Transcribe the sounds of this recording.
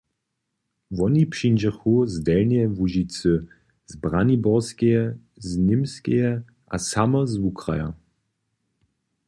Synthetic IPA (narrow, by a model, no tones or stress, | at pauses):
vɔnipʂind͡ʒəxuzdɛlnɛvuʒit͡sə | zbʁanibɔʁskɛɛ | znɪmskɛjɛ | ʔa̰samɐzvukʁa̰ja̰